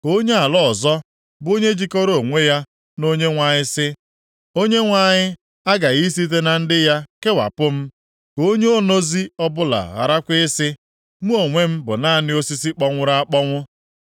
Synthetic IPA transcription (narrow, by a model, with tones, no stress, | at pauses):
o˦ɲe˦a˨lɔ˦ɔ˨zɔ˦ | bo˦ɲe˦d͡ʒi˦kɔ˦ɾo˨ŋʷe˦ja˦ | no˦ɲe˦ŋʷa˨ɲɪ˦sɪ˦ | o˦ɲe˦ŋʷa˨ɲɪ˦ | a˦ɡa˨ɣi˦s̬i˦te˦na˨n̩˦dɪ˦ja˦ke˦wa̰˨pʊ˦m̩˦ | ko˦ɲe˦o˦no˦zi˦ɔ˦bʊ˦la̰˨ɣa̰˨ɾa˦kʷɪ˦ɪ˦sɪ˦ | mu˦o˨ŋʷe˦m̩˦bʊ̰˨na˦˨nɪ˦o˦si˦si˦k͡pɔ˦ŋʷʊ˦ɾa˦k͡pɔ˦ŋʷʊ˦